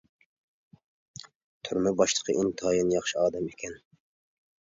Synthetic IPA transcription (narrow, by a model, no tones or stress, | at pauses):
t̪ʰʊɾmɨbɑʃlˠə̥qʰə̰ʔɪŋt̪ʰɑːjɨnjɑχʃɪɑːd̪ɛmekʲɛn